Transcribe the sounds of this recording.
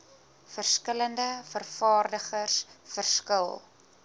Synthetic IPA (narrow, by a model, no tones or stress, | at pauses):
fərskələndəfərfɑːrdəχərsfərskəlˠ